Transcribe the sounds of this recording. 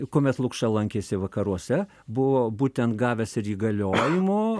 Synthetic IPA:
koːmʲɛt̪lˠʊkʃɑlˠɐŋʲkʲeːsʲɪʋɐkɐɾuɔsʲɛ | bʊʋoːbuːt̪ʲɛnt̪ɡɑːʋʲɛsɪɾiːɡɐlʲoːjɪmʊ

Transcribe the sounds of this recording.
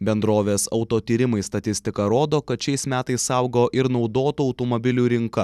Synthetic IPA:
bʲɛnd̪ɾoːʋʲeːsɐʊt̪oːt̪ʲiːɾʲɪmɐɪst̪ɐt̪ʲɪsʲt̪ʲɪkɐɾoːd̪oːkɐt̪ʃʲɛɪsmʲæːt̪ɐɪssɐʊɡoːʔɪɾnɒʊd̪oːt̪uːɐʊt̪oːmobʲɪlʲuːɾʲɪŋkɐ

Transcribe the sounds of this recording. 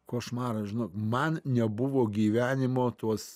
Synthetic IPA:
koːʃmɑːɾɐʒʲɪnoːkmɐnnʲɛbʊʋoːɡʲiːʋʲæːnʲɪmoːt̪uɔs

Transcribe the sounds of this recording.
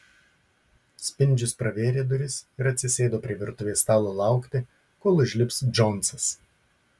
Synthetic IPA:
sʲpʲɪnʲˑd͡ʒʲʊspɾɐʋʲeːɾʲeːd̪ʊɾʲɪsɪɾɐt̪ʲsʲɪsʲeːd̪oːpʲɾʲiɛʋʲɪɾt̪ʊʋʲeɛst̪ɑːlˠoːlˠɑˑʊkʲt̪ʲɪ | koːlˠʊʒʲlʲɪpsd͡ʒɔnˑsɐs

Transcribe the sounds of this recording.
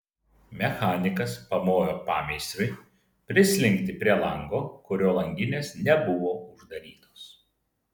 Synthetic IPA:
mʲɛxɑːnʲɪkɐspɐmoːjoːpɑːmʲɛɪsʲɾʲʊɪ | pʲɾʲɪsʲlʲɪŋʲkt̪ʲɪpʲɾʲiɛlˠɐŋɡoːkʊɾʲoːlˠɐŋʲɡʲɪnʲeːsnʲɛbʊʋoːʊʒd̪ɐɾʲiːt̪oːs

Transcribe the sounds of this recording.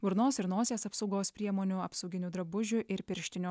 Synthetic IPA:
ʋʊɾnoːsɪɾnoːsʲeːsɐpsɒʊɡoːspʲɾʲiɛmoːnʲuɐpsɒʊɡʲɪnʲuːd̪ɾɐbʊʒʲʊʔɪɾpʲɪɾʲʃʲt̪ʲɪnʲʊ

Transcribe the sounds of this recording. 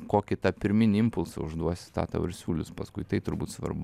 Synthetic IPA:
koːkʲɪt̪ɐpʲɪɾʲmʲɪnʲɪɪmpʊlˠsɐʊʒd̪uɔsʲɪ̥st̪ɑ̰ːt̪ɐ̰ʋɐɾʲsʲuːlʲʊspɐskʊɪt̪ɐɪt̪ʊɾbuːt̪sʋɐ̰rbʊ

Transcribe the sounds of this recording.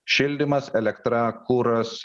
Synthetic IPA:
ʃʲɪlʲd̪ʲɪmɐsɛlʲɛkt̪ɾɑkuːɾɐs

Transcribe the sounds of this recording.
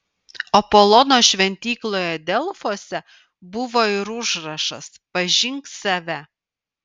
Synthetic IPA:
ɔpolˠɔnoːʃʲʋʲɛnʲt̪ʲiːklˠoːjɛd̪ʲɛlˠfoːsʲɛ | bʊʋoːɪɾʊʒɾɐʃɐspɐʒʲɪŋksɐʋʲɛ

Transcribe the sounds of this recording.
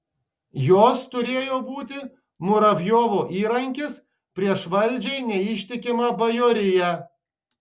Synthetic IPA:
joːst̪ʊɾʲeːjoːbuːt̪ʲɪ | mʊɾɐʋʲjoːʋoːʔiːɾɐŋʲkʲɪs | pʲɾʲiɛʃʋɐlʲˑd͡ʒʲɛɪnʲɛɪʃʲt̪ʲɪkʲɪmɐbɐjoːɾʲɪjæ

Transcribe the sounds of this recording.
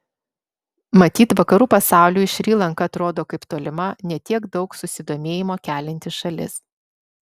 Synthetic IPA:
mɐt̪ʲiːt̪ʋɐkɐɾuːpɐsɑˑʊlʲuːɪʃʲɾʲiːlˠɐŋkɐɐt̪ɾoːd̪oːkɐɪpt̪oːlʲɪmɐnʲɛt̪ʲiɛɡd̪ɒʊksʊsʲɪd̪oːmʲeːjɪmoːkʲæːlʲɪnʲt̪ʲɪʃɐlʲɪ̰s

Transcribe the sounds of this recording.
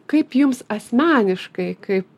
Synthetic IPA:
kɐɪpjʊmsɐsʲmʲæːnʲɪʃkɐɪkɐɪp

